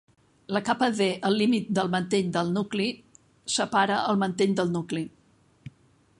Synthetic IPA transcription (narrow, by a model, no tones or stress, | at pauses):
ləkapəðeʔəlːimit̪̚d̪əlˠmənt̪eʎd̪əlˠnukli | səpaɾəəlˠmənt̪eʎd̪əlˠnukli